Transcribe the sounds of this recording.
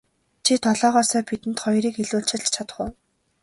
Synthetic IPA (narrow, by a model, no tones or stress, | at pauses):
t͡ɕʰit̪ʰɔɮɔːʁɔːsœːpit̪ɘ̆nt̪χɔjɾiːkiɮuːɬt͡ɕɪ̆ɮt͡ɕt͡ɕʰat̪ə̥̆χʊ̆w